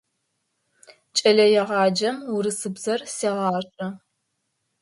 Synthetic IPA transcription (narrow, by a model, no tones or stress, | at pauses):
t͡ʃʼɐɮɐjɛʁɑːd͡ʒɐmuɾɨsɨbzɐrseːʁɑːɕʼɐ